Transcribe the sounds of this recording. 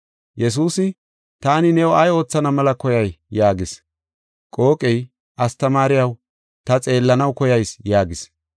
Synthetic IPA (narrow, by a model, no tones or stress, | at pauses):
jɛs̬uːsɪ | t̪aːnɪnɛwɔɐjo̞ːt͡sːɐnɐmɐlɐkɔjɐjjaːɡɪs | kʼo̞ːkʼɛj | ʔɐst̪ɐmaːɾɪjɐw | t̪ɐt͡sʼe̞ːlːɐnɐwkɔjɐjsjaːɡɪs